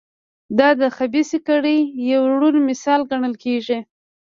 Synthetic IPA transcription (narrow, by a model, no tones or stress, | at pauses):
d̪ɑd̪əxabisikaɽəjawɽulmɪsɑlɡaɳəlkeʒi